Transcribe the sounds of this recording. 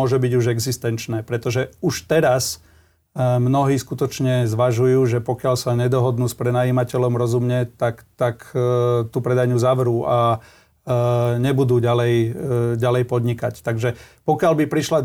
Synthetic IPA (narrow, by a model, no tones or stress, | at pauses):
ɔʒɛbiɟuʒɛɡzist̪ɛnt͡ʃnɛːpɾɛt̪ɔʒɛuʃt̪ɛɾas | mnɔɦiːskut̪ɔt͡ʃɲɛzʋaʒujuːʒɛpɔkɪaʎsaɲɛd̪ɔɦɔd̪nuːspɾɛnajiːmacɛʎɔmɾɔzumɲɛt̪akt̪akt̪upɾɛd̪aɲuzaʋɾuːʔa | ɲɛbud̪uːɟalɛjɟalɛjpɔd̪ɲikact̪aɡʒɛpɔkɪalbipɾiʃla